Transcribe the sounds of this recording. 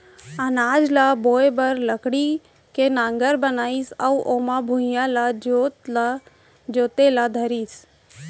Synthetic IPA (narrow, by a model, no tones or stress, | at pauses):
ənaːd͡ʒlaboːebəɾləkɽi | kenãːŋɡəɾbənaːisauʔomabʱujãlad͡ʒot̪a | d͡ʒoːt̪elad̪ʱəɾiːs